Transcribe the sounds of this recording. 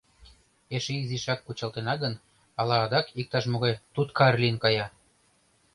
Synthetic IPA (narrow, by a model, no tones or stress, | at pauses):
eʃeiziʃɑkːut͡ɕɑlt̪enɑɡən | ɑlɑːd̪ɑkik̚t̪ɑʃmoɣɑjt̪ut̪kɑrlinkɑjɑ